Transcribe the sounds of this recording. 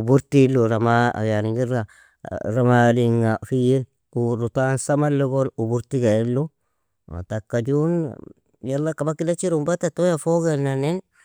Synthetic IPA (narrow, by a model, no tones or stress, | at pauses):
ubuɾtiloɾamaa̰jaɾiŋɡiɾa | ɾamadiŋafijen | kuɾutansamalːoɡonubuɾtiɡailːo | a̰takːad͡ʒun | jalːakabakidat͡ʃiɾumbatatojafoɡananen